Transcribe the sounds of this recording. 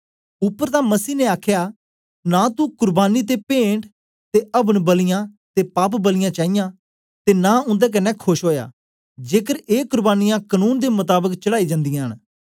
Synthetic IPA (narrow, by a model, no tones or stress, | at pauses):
ʊpːəɾt̪ãːməsiːneaːkʰjaː | nãːt̪ukʊɾbaːniːt̪̬epẽːɳʈ | t̪eəbəɽbəlɪjãː | t̪eːpaːpbəlɪjãːt͡ʃaːɪjãː | t̪eːnãːʊ̃nd̪eːk̬ɐnɛkʰoʃɦoːja̰ː | d͡ʒeːkəɾeːkʊɾbaːnɪjãkənuːnd̪emʊt̪aːbəkt͡ʃəɽaːid͡ʒãːnd̪ijãːɦən